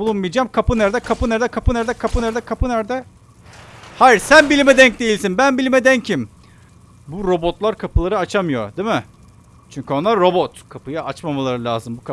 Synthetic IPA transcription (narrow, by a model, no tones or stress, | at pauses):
bulˠunmijd͡ʒaːmkʰapɯnæɾd̪ɛkʰapɯnæɾd̪ɛkʰapɯnæɾd̪ɛkʰapɯnæɾd̪ɛkʰapɯnæɾd̪ɛ | hajiɾsænbilʲimɛd̪ɛɲc̚d̪ejilʲsinbænbilʲimɛd̪ɛɲcʰim | buɾo̞bo̞t̪lˠaɾkʰapɯlˠaɾɯat͡ʃʰamɯjo̞̰d̪imɪ | t͡ʃʰyɲcʰyonˠaɾːo̞bot̪kʰapɯjaʔat͡ʃmamalˠaɾɯlʲaːzɯmbukʰa